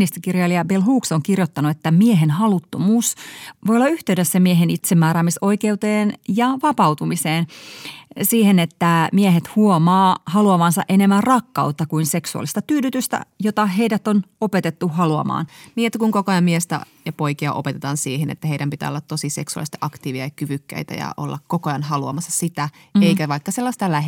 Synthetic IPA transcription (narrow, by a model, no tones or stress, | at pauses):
nist̪ikirjɑliɑbelɦuːksoŋkirjot̪ːɑnuet̪ːæmieɦenhɑlut̪ːomuːsʋojolːɑyht̪eydøsːæmieɦenit̪semːæːɾæːmiso̞ikeut̪eːnjɑʋɑpɑwt̪umiseːn | siːhenet̪ːæmieɦet̪huomɑːhɑluɑʋɑnsɑʔe̞nemːærrɑkːɑut̪ːɑkuinse̞ksuɑ̰list̪ɑt̪yːdyt̪yst̪æ̰jot̪ɑɦe̞idæt̪onopet̪et̪ːuɦɑluɑ̰mɑ̰ːnmiet̪ːækuŋkokojɑmmiest̪æ̰ | jɑpo̞jkiɑ̰ʔo̞pet̪et̪ɑːnsiːhenḛt̪ːæɦeiɾæmpit̪æ̰ːolːɑt̪tosiseksuɑ̰list̪ɑʔɑkt̪iːʋiɑjɑkyʋykːæ̰it̪æ̰jɑ̰ʔo̰lːɑ̰kkokojɑnhɑluɑ̰mɑsːɑsit̪æeikæʋɑikːɑselːɑst̪ɑlæh